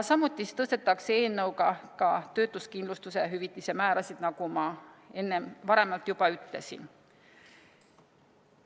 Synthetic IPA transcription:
sɑmːut̪ːˑist̪ɤ̞st̪e̞t̪ːˑɑksee̞ːlnːɤwɡɑkɑt̪ø̞ːt̪ːˑuskind̪lust̪use̞ɦyvit̪ˑːise̞mæːɾɑsid̪̥nɑɡ̥umɑe̞nːemvɑɾe̞mɑlt̪jubɑyt̪le̞̰sḭn

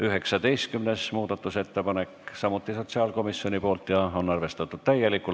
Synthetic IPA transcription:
yɦe̞ksɑd̪ejst̪̚kymnesmuːd̪̥ɑt̪ˑːuse̞t̪ːe̞pɑne̞ksɑmut̪ːˑiso̞t̪ʲsiɑːlko̞misːio̞nipo̞ːlt̪ˑjɑo̞nɑrve̞st̪ɑt̪ːˑut̪t̪æjelikːˑu

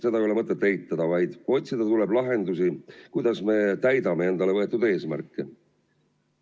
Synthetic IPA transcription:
se̞d̪̥ɑolemɤt̪ˑːet̪ːejt̪ːˑɑd̪̥ɑvɑjd̪̥o̞t̪ʲsid̪̥ɑt̪ule̞blɑɦe̞nd̪usikujd̪̥ɑsme̞t̪æjd̪̥ɑme̞e̞nd̪̥ɑle̞vɤ̞e̞t̪ːˑud̪e̞ːsmærkːˑe

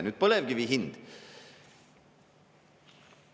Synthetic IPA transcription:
nʉːt̪̚poːlɛʋɡəʋiɦɪnd̪

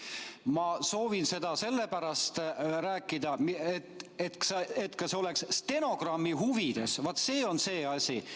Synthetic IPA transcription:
mɑso̞ːvinse̞d̪̥ɑse̞lːepæɾɑst̪ræːkˑːid̪ɑmet̪ːet̪kset̪kɑseole̞ksst̪e̞no̞ɡ̥rɑmːiɦuvid̪̥e̞svɑt̪ːˑse̞ːo̞nse̞ːɑsʲi

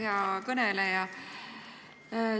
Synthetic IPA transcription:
eɑkɤnelejɑ

